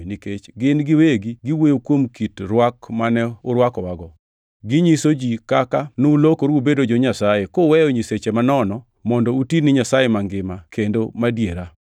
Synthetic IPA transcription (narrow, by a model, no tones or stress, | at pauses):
niket͡ʃɡɪnɡɪweɡiɡiwojokwomkitɾwakmanɛʊɾwakɔwaɡɔ | ɡɪɲisod͡ʒikakanoulokoɾubedod͡ʒoɲasajekowɛjoɲiset͡ʃemanɔnɔ | mɔndɔutinɪɲasajemaŋɡɪmakʰendomadjeɾa